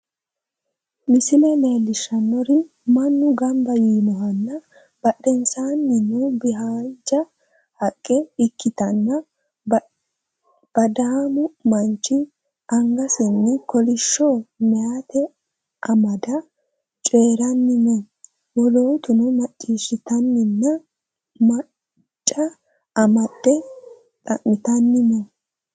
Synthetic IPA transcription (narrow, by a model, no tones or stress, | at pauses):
mɪsɪlɛme̞ːlːɪʃɐnːɔɾɪ | mɐnːʊɡɐmbɐjiːmɔɦɐnːɐ | b̥ɐɗɛnsaːnːɪnːubɪɦaːnd͡ʒɐ | hɐkʼːɛɪkːɪt̪ɐnːɐ | b̥ɐd̪aːmʊmɐnt͡ʃːɪ | ʔɐŋɡɐsɪnːɪkɔlɪʃːoːmɛjat̪ɛ | ʔɐmɐd̪ɐ | t͡ʃʼe̞ːɾɐnːɪnɔ | wɔloːt̪ʊnɔmɐt͡ʃʼːiːʃɪt̪ɐnːɪnːɐ | mɐ | t͡ʃʼːɐ | ɐmɐdɛ | t̪ʼɐ̰ʔːɪt̪ɐnːɪnɔ